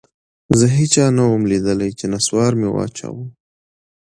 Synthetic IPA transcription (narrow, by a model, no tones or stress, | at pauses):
zəɦit͡ʃɑnawəmlid̪əlajt͡ʃenaswɑɾmewɑ̰t͡ʃa̰wəm